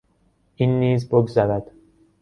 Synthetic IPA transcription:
ʔinːiːzboɡzæɾæd̪̥

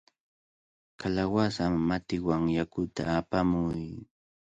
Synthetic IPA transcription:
kalawasamːat̪ɪwaŋjakʊt̪a̰ːpamʊj

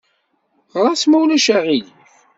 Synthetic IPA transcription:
ʁˤɑsmæwlæʃæʁil

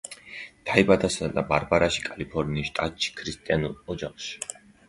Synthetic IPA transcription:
t̪ʰaibad̪asad̪abaɾbaɾaʃi̥kʼalipʰɔɾniːʃt̪ʼat̪ʼʃʰi̥kʰɾist̪ʼianulˠɔd͡ʒaχʃi̥

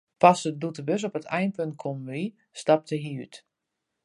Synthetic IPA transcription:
pasədutəbøs̬opətʰɛjnpønt̚kʰomʋi | stap̚təɦiyt

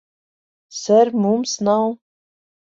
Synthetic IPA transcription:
səɾmumsnaw

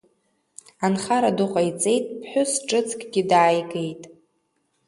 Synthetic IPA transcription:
anχaɾadʊqʼajt͡sʼe̞jtʼpʰħʷᶣʊsʈ͡ʂʼɨt͡sʰʼkʼɡʲɪdaːjɡejtʼ

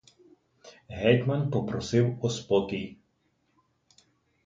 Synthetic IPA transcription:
ɦɛjt̪manpɔpɾɔsɪwɔspɔk̪ʲij

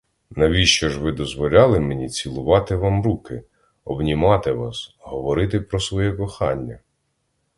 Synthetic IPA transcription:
nɐʋʲiʃt͡ʃɔʒʋɪd̪ɔzʋɔlʲɑlˠɪmenʲit͡sʲilˠʊʋɑt̪ɪʋɑmɾukɪ | ɔbnʲimɑt̪ɪʋɑ̰sɦɔʋɔɾɪt̪ɪpɾɔsʋɔjɛkɔxɑnʲːɐ

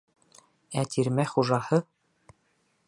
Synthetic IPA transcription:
æt̪iɾmæχuʒɑhɤ

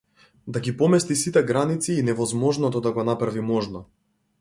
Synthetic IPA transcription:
d̪aɡipɔmɛst̪isit̪ɛɡɾanit̪siːnɛvɔzmɔʒnɔt̪ɔd̪aɡɔnapɾavimɔʒnɔ

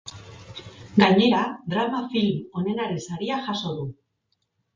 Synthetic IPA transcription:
ɡaɲe̞ɾad̪ɾamafilmo̞ne̞naɾe̞nsaɾiaʝaso̞ðu

